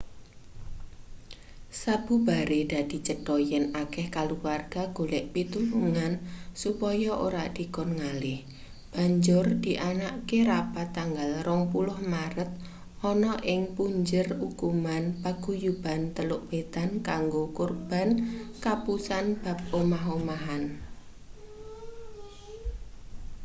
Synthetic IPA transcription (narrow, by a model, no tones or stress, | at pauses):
sab̥ubaɾed̥a̤d̪̥i̤t͡ʃəd̥ɔjɛnakɛhkaluwarɡ̥aɡ̥olɛʔpit̪uluŋansupɔjɔʔoɾad̪̥i̤kɔnŋalɪh | b̥a̤ɲd͡ʒʊrd̪̥i̤ʔanaʔkeɾapat̪ːaŋɡalrɔŋpulʊhmaɾət̪̚ | ʔɔnɔʔɪŋpuɲd͡ʒərukumanpaɡ̥ujub̥a̤nt̪əlʊʔb̥et̪ankaŋɡokurb̥a̤nkapusanb̥a̤p̚omaɦomaɦan